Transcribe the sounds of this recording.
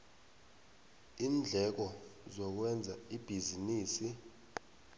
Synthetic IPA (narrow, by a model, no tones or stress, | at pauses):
iːnd͡ɮʱɛk̬ɔzɔk̬wɛnd͡zʱaib̥ʱiziniːsi